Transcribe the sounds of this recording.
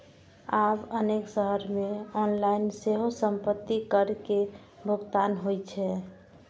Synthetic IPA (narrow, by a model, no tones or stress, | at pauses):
abəneksəɦəɾmeɔnlainseɦosəmpət̪ːikəɾke | bʱʊɡt̪anɦojt͡ʃʰɛ